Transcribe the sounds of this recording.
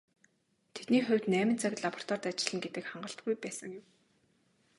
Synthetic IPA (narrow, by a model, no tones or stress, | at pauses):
t̪ʰet̪niːχʊ̟wʲt̪næːmɪ̆nt͡saɣ̆ʲɮapɔ̥r̥t̪ʰɔrt̪at͡ɕɪ̆ɮə̆ŋɡet̪ɘ̆kχaɴɢə̆ɬt̪̚ɡujpæːsə̆ŋjʊm